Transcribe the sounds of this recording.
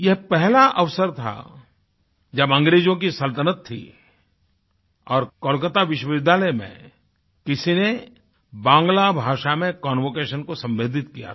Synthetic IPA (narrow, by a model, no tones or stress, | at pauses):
jɛɦpɛɦlaʔɐʋsəɾt̪ʰa̰ | d͡ʒɐbɐ̃ŋɡɾeːd͡ʒõk̬isɐlt̪ənət̪ʰːḭ | ɔːɾkɔːlkət̪aʋɪʃwəʋɪd̪ʱːaːlɛjmḛ̃ | kɪsine | bãːŋɡlabʱaːʃamẽkɔːnʋoːkeːʃənkosɐ̃mbeːd̪ʱɪt̪kija̰